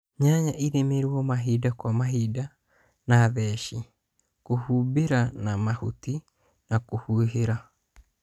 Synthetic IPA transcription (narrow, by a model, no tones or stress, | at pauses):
ɲaɲaʔiɾemeɾwɔmaɦidakwamaɦida | naðɛʃi | kohubeɾanamahuti | nakohuɦeɾa